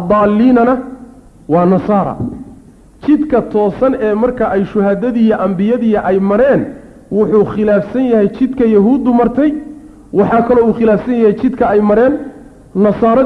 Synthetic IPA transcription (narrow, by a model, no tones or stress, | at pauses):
d̪ɑːlːiːnɐnɐ | wɑːnɐsɑːɾɐ̰ | t͡ʃɪd̪kʰɐt̪ʰɔːsɐnɛːmɐrkʰɐʔɛjʃʊɦɐðɐðiːjɔʔɐmbɪjɐðiːɐʔɛjmɐɾɛːn | wʊħuːχɪlaːfsɐnjɐhɛjt͡ʃɪd̪kʰɐjɐɦuːd̪ʊmɐrt̪ʰɛj | wɑħɑːkʰɐlɔuːχɪlaːfsɐnjɐhɛjt͡ʃɪd̪kʰɐɛjmɐɾɛːnː | ɐsɑːɾɐ